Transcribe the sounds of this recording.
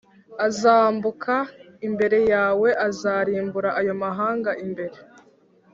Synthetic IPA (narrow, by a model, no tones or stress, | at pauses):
azaːmbukʰa | imbe̞ɾe̞jaːwe̞ʔazaːɾiːmbuɾaʔːjo̞maɦaːŋɡaʔimbe̞ɾe̞